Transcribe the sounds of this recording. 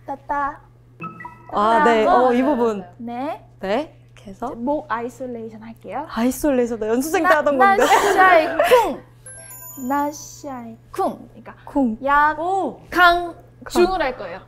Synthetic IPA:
tat͈a | aaneʌibubunne | ne̞ | kesʰʌmoɡais͈ʰoɭːeiɕʰʌnɦaɭk͈e̞joais͈ɭːeisʰʌdajʌnsʰusʰeŋnʰeɦadʌnɡʌeaekʰuŋ | naɕiaekʰuŋɲik͈akʰuŋjaokaŋ | kt͡ɕiŋɯɾɦaɭk͈ʌejo

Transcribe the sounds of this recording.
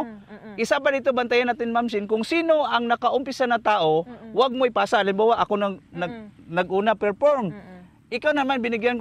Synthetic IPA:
ʔɪsapadɪt̪obant̪ajanːaːt̪ɪnmams̬ɪnkʊŋsiːnoʔɐŋnɐkaʔʊmpɪsanɐt̪aːʔowaɡ̚mojpaːsaʔalɪmbaːwaʔɐkonɐnɐɡ̚nɐɡʔuːnapɛɹfoɹm | ʔɪkawnɐmanbɪnɪɡjank

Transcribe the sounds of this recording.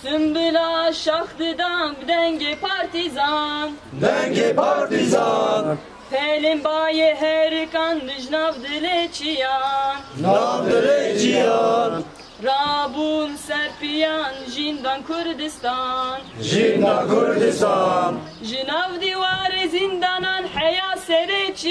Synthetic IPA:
sɨmbɨlaːʃaxd̪ɨd̪ɑnbd̪ɛŋɡepʰaɾt̪izand̪ɛŋɡepʰaɾt̪izan | pʰɛlembaːjeɦɛɾikand̪ɨʒnavd̪ɨlet͡ʃʰijannːvd̪ɨlet͡ʃʰijɑn | ɾɑːbuːnsɛɾpijɑːnʒind̪aːnkʰʊɾd̪ɨst̪ɑnʒind̪ɑkʰʊɾd̪ɪst̪ɑn | ʒɨnaːvd̪iwaːɾezind̪ɑːnɑnħɛjaːsɛd̪et͡ʃʰi

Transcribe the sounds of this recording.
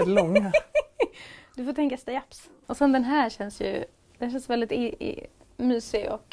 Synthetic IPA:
d̪lɔŋːa | d̪̥ɵfoːt̪ʰɛŋkast̪ajaps | ɔsɛnd̪ɛnɦæːɾɕɛnsjɵ̰ | d̪̥ɛnhæʃ̬ɛnsvɛld̪ɪt̪ | myːsɪɔ̰k

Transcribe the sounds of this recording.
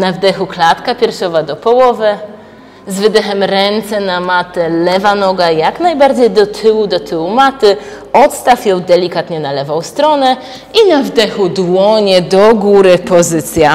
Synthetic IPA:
navd̪ɛxuklat̪kapʲjɛɾfʂɔvad̪ɔpɔwɔvɘ | zvɘd̪ɛxɛmɾɛnt̪sɛnamat̪ɛlɛvanɔɡajaknajbaɾd͡ʑejd̪ɔt̪ʰɘwud̪ɔt̪ʰɘwumat̪ɘ | ɔt̪st̪afjɔwd̪ɛlʲikat̪ɲɛnalɛvɔw̃st̪ɾɔnɛ | inavd̪ɛxud̪wɔɲɛd̪ɔɡuɾɘpɔzɘt̪sʲja

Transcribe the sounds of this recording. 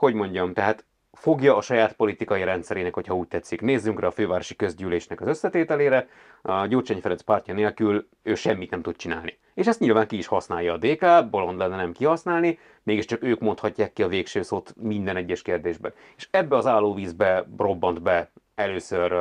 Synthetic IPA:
ho̞ɟmo̞ɲɟɒmt̪ɛɦaːt̪ | fo̞ɡjɒːʃɒjaːt̪po̞lit̪ikɒjiɾɛnt̪sɛɾeːnɛkho̞cʰhɒuːc̚t̪ɛt̪sːikneːzːyŋkrɛɒføːvaːɾo̞ʃi̥køzɟyːleːʃnɛkɒzøsːɛt̪eːt̪ɛleːɾɛ | ɟoːt͡ʃɛɲfɛɾɛnspaːrcɒneːlkyl | øːʃɛmːit̪nɛmt̪ut̪̚t͡ʃina̰ːlni | eːʃɛst̪ɲilvaːŋkiːʃhɒsnaːjɒːd̪eːkaːbo̞lo̞nd̪lɛnːɛnɛmkihɒsnaːlni | meːɡiʃt͡ʃɒkøːkmo̞nt̪hɒcːaːkːiɒveːkʃøːsoːt̪mind̪ɛnɛɟːɛʃkeːrd̪eːʒbɛn | eːʃɛbːɛɒzaːlːoːviːzbɛro̞bːɒnd̪bɛ | ɛløːsør

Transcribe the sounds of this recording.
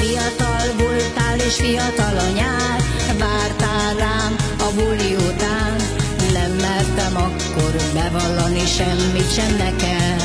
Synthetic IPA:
fijɒt̪ɒlvolt̪aːlːeːʃfijɒt̪ɒlɒɲaːɾ | baːrt̪aːɾaːm | ɒbulːiut̪aːnː | ɛmːɛlt̪ɛmɒkːo̞rbɛvɒlːɒniʃɛmːit̪ʃɛnːɛkɛl

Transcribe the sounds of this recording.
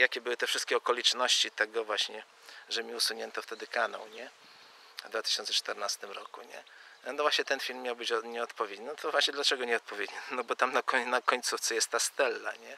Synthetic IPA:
jakʲɛbɘwɘt̪ɛfʂɘst̪kʲɛɔkɔlʲit͡ʂnɔɕt͡ɕit̪ɛɡɔvwaɕɲɛ | ʐɛmʲiusuɲɛnt̪ɔft̪ɛd̪ɘkana̰wɲɛ | vd̪vat̪ɘ̥ɕɔnsɛt͡ʂt̪ɛɾnast̪ɘmɾɔkṵɲɛ̰nɔvwaɕɲɛt̪ɛnfʲilmːʲjawbɘt͡ɕɲɛɔt̪pɔvʲjedɲnt̪ʰɔvwaɕɲɛd̪lat͡ʂɛɡɔɲɛɔt̪̚pɔvʲjed̪ɲinɔbɔt̪amnakɔnakɔɲt̪suft̪sɛjɛst̪ːast̪ɛlːa̰ɲɛ

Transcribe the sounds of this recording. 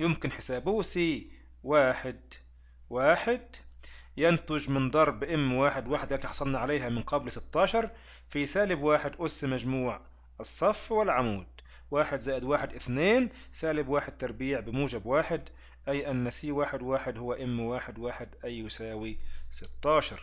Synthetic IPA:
jʊmkɪnħɪsaːbʊsiː | waːħɪd̪ | waːħɪd̪ | jant̪ʊʒmɪnd̪ˤɑɾˤbʔɪmːwaːħɪd̪waːħɪd̪lːt̪iħɑsˤɑlnɑʕalaːɦamɪnqɑblsɪt̪ːɑːʃɑɾˤ | fisaːlɪbwaːħɪd̪ʔʊsːmaʒmuːʕ | ʔɪsˤːɑfːwɪlʕamuːd̪̚ | waːħɪd̪zaːʔɪd̪waːħɪd̪ʔɪθneːn | saːlɪbwaːħɪd̪̚t̪ɑɾˤbiːʕbɪmuːd͡ʒabwaːħɪd̪ | ʔajʔanːasiːwaːħɪd̪waːħɪd̪hʊwːaʔɪmːwaːħɪd̪waːħɪd̪ʔajːʊsaːwisɪt̪ːɑːʃɑɾˤ

